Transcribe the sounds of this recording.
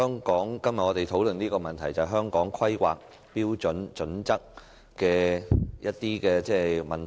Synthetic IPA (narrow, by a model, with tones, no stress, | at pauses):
ŋkɔː˨˥ŋkɐ˥mjɐ˨ʔɔː˨˧t̪e˨jt̪ʰo˨˥wlɵ˨niː˥kɔː˧mɐ˨nt̪ʰɐ˨˩jt͡sɐ˨ɦœː˥ŋkɔː˨˥ŋkʰɐ˥jkwa̰ː˨k̚ | piː˥wt͡ʃɵ˨˥nt͡ʃɵ˨˥nt͡sɐ˥k̚ | kɛː˧jɐ˥t̚t̪iː˥kɛː˧t͡sɛː˥mɐ˨nt